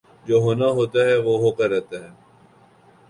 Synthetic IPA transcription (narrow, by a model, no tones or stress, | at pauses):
d͡ʒoːɦoːnaɦoːt̪aɦɛʋoːɦoːkəɾːɛːt̪aɦɛː